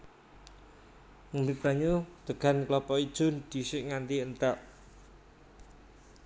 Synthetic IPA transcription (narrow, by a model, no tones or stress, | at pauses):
əmbikɾaɲut̪əɡ̥a̤nklɔpɔid̥ʒ̥ʊ̤nd̪̥i̤sɪʔŋant̪iənt̪aʔ